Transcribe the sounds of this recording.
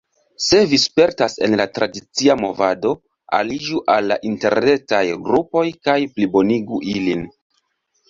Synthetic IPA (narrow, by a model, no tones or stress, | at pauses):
se̞vispe̞ɾtase̞̰nlatɾadit͡siamo̞vado̞ | a̰lid͡ʒuʔalːa̰ʔinte̞ɾne̞tajɡɾupo̞jkajplibo̞niɡuʔilin